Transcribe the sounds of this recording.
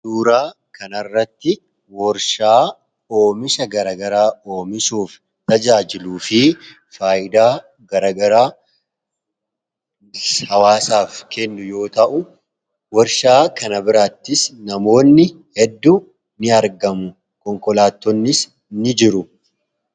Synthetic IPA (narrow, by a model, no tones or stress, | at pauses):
duːɾaː | kɐnɐrːɐt̪ːɪ | wɔɾʃaː | o̞ːmɪsɐɡɐɾaːɡɐɾaːo̞ːmɪsuːf | t̪ɐd͡ʒaːd͡ʒɪluːfɪ | faːjɪd̪aː | ɡɐɾaːɡɐɾaː | hɐwaːsaːfkɛnːʊjo̞ːt̪ɐʔʊ | wɔɾʃaːkɐnɐbɪɾaːt̪ːɪsnɐmo̞ːnːɪ | hɛd̪ːu | nɪɐɾɡɐmʊ | kɔŋkɔlaːt̪ːɔnːɪs | nɪd͡ʒɪɾʊ